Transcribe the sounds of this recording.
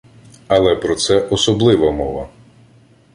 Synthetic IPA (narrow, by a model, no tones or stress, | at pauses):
ɐlˠɛpɾɔt̪sɛʔɔsɔblˠɪʋɐmɔʋɐ